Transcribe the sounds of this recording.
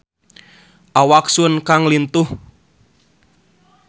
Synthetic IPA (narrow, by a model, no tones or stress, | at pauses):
ʔawaksuənkaŋlint̪ʊh